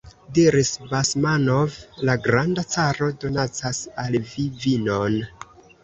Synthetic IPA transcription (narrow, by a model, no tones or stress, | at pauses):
diɾisbasmanovlaɡɾandat͡saɾo̞do̞nat͡sasalvivinon